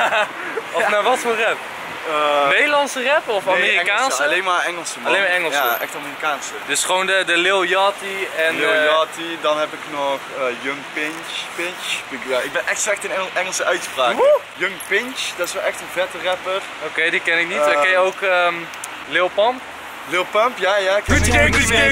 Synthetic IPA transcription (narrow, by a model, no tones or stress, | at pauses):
ɔfnaːʋɑtforɛp | əmejlɑnsərɛpɔfamiːrikaːnsəlejnmaːɛŋəlˠsəmɑlejmaːɹɛŋəljˠsaʔɛ̰xtaːmiːrikaːnsədɵsχəʋowndədəlɪlˠjɑtiɛnjɑtidɑnɦɛpɪknɔχəjøŋpɪnt͡ʃpɪnt͡ʃɪkjaʔɪɡ̚bɛnʔɛxtstrɛxtənɛŋəlˠsəʔœɥtχpraːk | jøŋpɪnt͡ʃd̥ɑtɪsʋɛlˠʔɛxtənvɛtərɛpərokejdikɛnɪkniakɛjəowkəm | lɪlˠpɑmp | lɪːlˠpɑmpjajaɪk